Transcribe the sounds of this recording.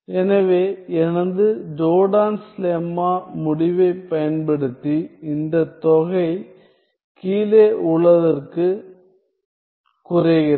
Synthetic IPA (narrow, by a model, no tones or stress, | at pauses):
ɛnɐʋeːɛnɐnd̪ɯd͡ʒoːɽaːnslemːaːmʊɽɪʋɐɪpːɐjɐnpɐɽɯt̪ːiɪnd̪ɐt̪ɔɣɐɪ | kiːleːʔʊɭɐðɐrkɯ | kʊrɐɣɪɾɐ